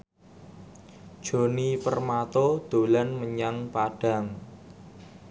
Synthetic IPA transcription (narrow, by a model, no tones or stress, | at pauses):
d̥ʒ̥o̤nipərmat̪od̪̥o̤lanməɲaŋpaɖ̥a̤ŋ